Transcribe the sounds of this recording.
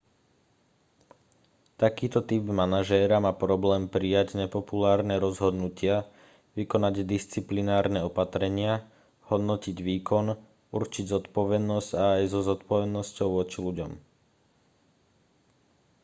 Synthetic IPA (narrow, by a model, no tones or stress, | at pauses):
t̪akiːt̪ɔt̪ibmanaʒɛːɾamaːpɾɔblɛːmpɾijaɟɲɛpɔpulaːɾnɛɾɔzɦɔd̪nucɪa | ʋikɔnaɟd̪ist͡siplinaːɾnɛɔpat̪ɾɛɲɪa | hɔd̪nɔciɟʋiːkʰɔn | uɾt͡ʃiɟzɔt̪pɔʋɛd̪nɔsɟaːjzɔzɔt̪pɔʋɛd̪nɔscɔʊʋʊɔt͡ʃiluɟɔm